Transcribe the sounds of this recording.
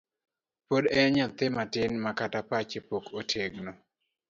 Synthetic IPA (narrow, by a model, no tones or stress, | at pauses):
podɛɲat̪ɪmatɪnmakatapat͡ʃepokotʰeɡno